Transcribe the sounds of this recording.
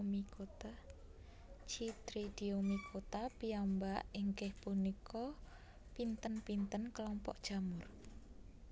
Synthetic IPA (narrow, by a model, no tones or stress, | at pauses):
miot̪a | t͡ʃit̪ɾid̪̥iomikʰot̪apiambaʔiŋkɪhpunikʰɔ | pint̪ənpint̪ənklɔmpɔ̰ʔd̥ʒ̥a̤mʊr